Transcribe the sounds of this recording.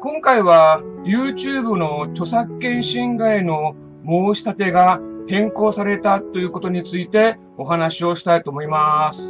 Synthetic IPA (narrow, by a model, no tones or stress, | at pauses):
kõ̞ŋkaiβajɯ̟ːt͡ɕɨːbɯ̟no̞kʲo̞sakːẽ̞ɰ̃ɕĩŋɡaino̞ | moːɕi̥sat̪e̞ɡahẽ̞ŋko̞ːsaɾe̞t̪at̪ːo̞jɯ̟ːko̞t̪o̞ɲ̟it͡sɨit̪e̞ | o̞ɦanaɕio̞ɕi̥t̪ait̪oːmo̞imasɨ̥